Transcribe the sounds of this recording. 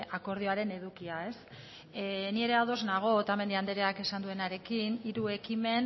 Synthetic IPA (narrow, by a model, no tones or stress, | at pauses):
ako̞ɾð̞io̞aɾe̞ne̞ð̞ukiae̞s | nie̞ɾe̞aðo̞znaɣ̞o̞t̪ame̞nd̪iand̪eɾeake̞sand̪ue̞naɾe̞kiniɾue̞kime̞n